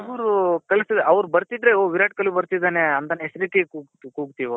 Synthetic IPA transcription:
ɐʋɐɾukɐlisid̪ɐʋɾubɐɾt̪id̪ɾeoʋiɾaːʈ̚kɐlibɐɾt̪id̪aːneɐnt̪aneesɾikːekuɡt̪ukuɡ̚t̪iʋo

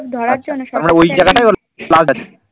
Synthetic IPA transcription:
d̪ʱɔɾaɾd͡ʑonːaɾmaneojd͡ʑaɡat̪ajo | lad͡ʑd̪at͡ɕʰe

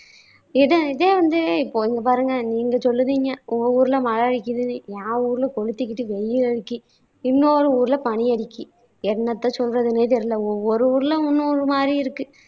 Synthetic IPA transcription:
ɪðɐɪðeːʋɐnd̪ɯɪpːoːɪŋɡɐpaːɾɯŋɡɐniːŋɡɐsɔlːɯðiːŋɡɐʔʊŋɡɐuːɾɪlɐmɐɻɐːɽɪkːɯðɯnɯjaːuːɾɪlɐkɔɻɯt̪ːɪkːɪʈːɯʋɛjːɪlɐɽɪkːi | ɪnːoːɾɯuːɾɪlɐpɐɳɪjɐɽɪkːi | ɛɳːɐt̪ːɐ̃sɔlɾɐðɯneːðɪɾɯlɐɔʋːɔɾɯuːɾɪlɐʊnːɔɾɯmaːd̪ɾiɪɾɯkːɯ

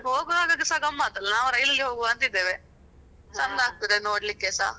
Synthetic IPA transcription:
ɦoːɡud̪aːɡɐɡɐsaɡɐmːaːnt̪ɐlːɐnaːʋuɾɐjlɐlːiɦo̞ːɡuʋaːnt̪id̪ːeːʋe | sɐnd̪aːɡ̚t̪ɐd̪enoːɽɐlikːesa̰ːh

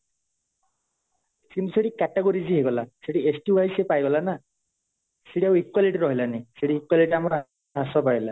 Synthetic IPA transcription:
kint̪u̥seʈikɛʈeɡoɾid͡ʒiɦeɡɔlaseɽiesʈiwajsepajɡɔlana | seʈiawikwaliʈiɾɔɦilaniseɽiːkwaliʈamɔɾ | ɦasɔpaila

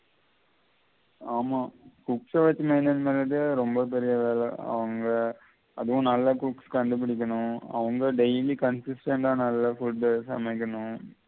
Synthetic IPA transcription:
aːmaːkʊksɐʋɐt͡ʃːɯmɐɪnɐnmeːlɐðɯɾɔmbɐpɛɾɪjɐʋeːlɛɐ̰ʋɐŋɡɐː | ðɯʋʊ̃nɐlːɐkʊkskɐɳɖɯp̬ɪɽɪk̬ʲːɐɳʊ̃ɐ̰ʋɐŋɡɐɖeɪlikɐnsɪsʈɐɳʈaːnɐlːɐfʊʈːsɐmɐk̬ːɐɳʊ̃

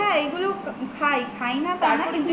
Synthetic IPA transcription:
aejɡulokʰajkʰajnatanakĩnt̪u

